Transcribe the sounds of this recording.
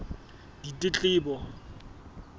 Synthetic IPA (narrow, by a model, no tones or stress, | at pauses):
ditʼɪt͡ɬʼɪːbɔ